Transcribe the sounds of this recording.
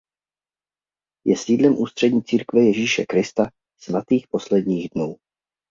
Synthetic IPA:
jɛsiːdlɛmʔuːst̪r̥ɛdɲiːt͡siːɾkvɛjɛʒiːʃɛkɾɪst̪a | smat̪iːxpo̞slɛdɲiːɣdnuː

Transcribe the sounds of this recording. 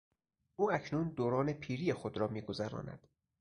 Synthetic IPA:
ʔuːæcʰnuːnd̪oːɾɒːnepʰiːɾijexod̪ɾɒːmiːɡo̞zæɾɒ̰ːnæ̰d̪̥

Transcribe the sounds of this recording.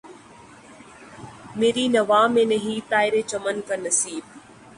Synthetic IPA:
meːɾiːnɐʋaːmeneɦit̪aːɪɾet͡ʃɐmənkɐnɐsiːb̚

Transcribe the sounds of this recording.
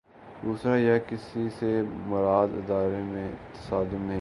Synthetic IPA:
d̪uːsɾajakɪsisemʊɾaːd̪ɪ̰d̪aːɾemẽt̪ɐ̥saːd̪ʊmnɐɦĩ

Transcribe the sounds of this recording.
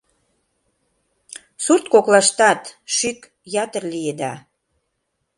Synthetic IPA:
surt̪̚koklɑʃt̪ɑt̪ʃyk | jɑt̪ərlied̪ɑ̰

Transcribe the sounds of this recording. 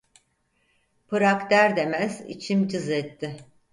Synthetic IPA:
pʰɯɾakd̪æɾd̪e̞mæzḭt͡ʃʰimd͡ʒɯzɛt̪ːɪ

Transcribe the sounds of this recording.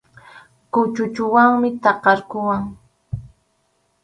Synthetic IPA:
kʊt͡ʃʊt͡ʃʊwaŋmɪt̪ɑqɑɾkʊwaŋ

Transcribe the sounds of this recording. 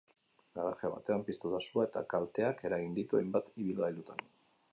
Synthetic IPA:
ɡaɾaxeaβa̰t̪e̞ampist̪ut̪asuae̞t̪a̰kalt̪e̞ake̞ɾaɣind̪it̪uejmbat̪iβilɣajlut̪an

